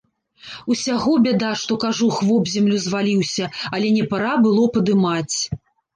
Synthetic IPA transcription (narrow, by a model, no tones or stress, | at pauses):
usʲaɣɔbʲɛd̪aʂt̪ɔkaʐuxvɔbzʲɛmlʲuzvalʲiwsʲɐɐlʲɛnʲɛpaɾabɨlˠɔpɐd̪ɨmat͡sʲ